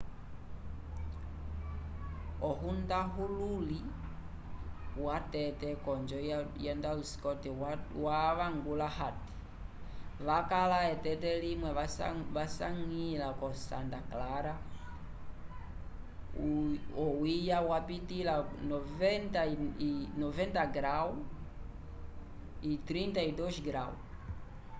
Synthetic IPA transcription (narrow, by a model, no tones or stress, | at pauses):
ɔɦundaɦululi | watɛtɛkɔɲd͡ʒɔjɛndausi̥kɔtiwaʋaŋɡulaɦati̥ | βakalaɛtɛtɛlimwɛaʋasaŋilakɔsa̰ntaklaɾa | ɔwijawapitilanɔvɛntainɔvɛntaɡɾau | it̪ɾintaidɔʃɡɾau